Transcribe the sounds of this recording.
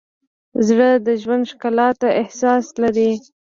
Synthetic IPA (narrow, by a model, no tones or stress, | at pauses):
zɽəd̪əʒwand̪ʃkalɑt̪aɪhsɑslaɾi